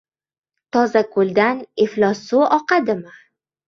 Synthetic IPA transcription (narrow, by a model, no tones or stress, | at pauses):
t̪ʰɒzakʰold̪aneflɒsoʔɒqad̪ɪma